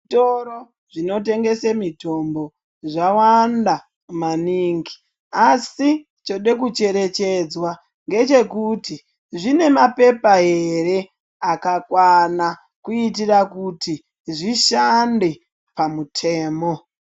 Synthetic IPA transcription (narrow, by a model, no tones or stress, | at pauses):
toɾo | ʐino̞t̬e̞ŋɡe̞semito̞mbo̞ | ʐawanda | maniːŋɡi | asi | t͡ʃoɗe̞k̬ut͡ʃe̞ɾe̞t͡ʃe̞d͡zwa | ŋɡe̞t͡ʃe̞kuti | ʐine̞mape̞paɦe̞ɾe̞ | akakwana | kuitirakuti | ʐiʃande̞ | pamutʰe̞ːmo̞